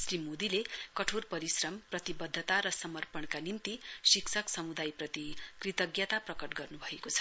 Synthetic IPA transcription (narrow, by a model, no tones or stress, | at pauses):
srimod̪ilekʌʈʰorpʌɾisrʌmprʌt̪ibʌd̪ʱːət̪aɾʌsʌmʌrpʌɳkanimt̪isiksʰʌksʌmud̪ajprʌt̪ikrit̪ʌɡjʌt̪aprʌkʌʈɡʌrnubʱʌekot͡sʰʌ̥